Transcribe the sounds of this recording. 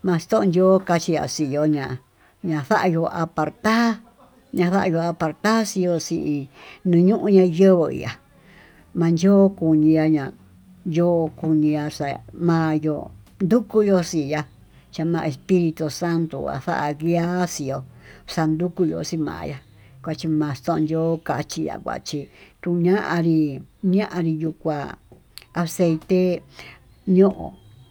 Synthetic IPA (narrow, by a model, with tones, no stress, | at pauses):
mã˧t͡ʃi̥˧t̪õ˦ʔõ˧ndʲo˦ka˧t͡ʃi˧ja̰˨si˨jo˧ɲã˨ | ɲã˨˧θa˦ʔa˧jo˧ʔa˧pa˨ɾt̪a˦ | ɲã˧θa˦ʔa˧jo˧a˧pa˧ɾt̪a˦si˧jo˧si˧ʔi˧nũ˧ɲũ˦ʔũ˧ɲã˧jə˦βo˧˨ḭ˨a˨ | mã˧nd͡ʒoː˦ku˨ɲĩ˧ja˧ɲã˨ | jo˦˧ku˧ɲĩ˧ja˧sa˧˨mã˧˦jo̰˧˨nd̪u˦ku˦jo˧si˨ja˧ | t͡ʃa˧mã˧e˧spi˦ɾi˧t̪u˧sa˦nt̪ṵ˧˨a̰˨sa̰˦ʔa˧ɣi˧˦a˦si˧jo˧sa˧nd̪u˦ku˧jo̰˧˨si˧mã̰ː˨˧ja˧ | kʷa˧t͡ʃi˧mã˨˧st̪õ˦˧nd̪o˦ka˧t͡ʃi˧ja̰˨kʷa̰˨t͡ʃi˧t̪ũ˧ɲã˦ʔã˧ɾi˧ɲã˦ʔã˧ɾi˧ju˧kʷa˧ | a˧se˧i˧t̪e˦ | ɲõ˦ʔõ̰˨